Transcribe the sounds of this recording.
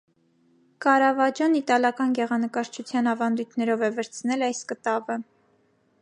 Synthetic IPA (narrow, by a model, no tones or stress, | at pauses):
kɑɾɑvɑd͡ʒjɑnit̪ɑljɑkɑnɡɛʁɑnəkɑɾt͡ʃʰut͡sʰjɑnɑvɑnd̪ujt̪ʰnɛɾɔvɛvɛɾt͡sʰnɛlɑjskət̪ɑvə